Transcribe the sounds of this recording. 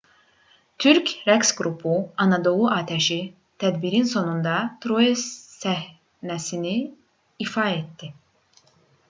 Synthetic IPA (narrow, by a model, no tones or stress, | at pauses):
t̪ʰyɾcɾæksɡɾupʰuɑnɑd̪o̞lˠuʔɑːt̪ʰæʃi | t̪ʰæd̪biɾinso̞nund̪ɑt̪ɾoesːæh | næsiniː | fɑet̪d̪i